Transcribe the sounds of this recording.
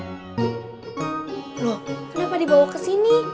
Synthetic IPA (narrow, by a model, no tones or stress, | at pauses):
ɾɔhkənapadibawakəsini